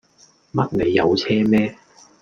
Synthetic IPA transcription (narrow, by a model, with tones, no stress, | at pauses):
mɐ˥t̚ne˨˧jːɐ̰˨˧wt͡sʰɛː˥mɛː˥